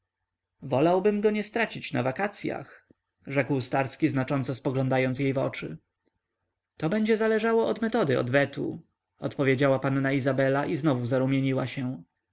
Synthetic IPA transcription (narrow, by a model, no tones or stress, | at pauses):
vɔlawbɘmɡɔɲɛst̪ɾat͡ɕit͡ɕna̰vakat̪sʲja̰x | ʐɛkwst̪aɾskʲiznat͡ʂɔnt̪sɔspɔɡlɔ̃nd̪ajɔnt̪sjejvɔt͡ʂɘ | t̪ɔbɛɲd͡ʑɛzalɛʐawɔɔd̪mɛt̪ɔd̪ɘɔ̰d̪vɛt̪ṵ | ɔ̰t̪pɔvʲjed͡ʑawapanːaizabɛlaʔiznɔvuzaɾumʲjeɲiwaɕɛ̃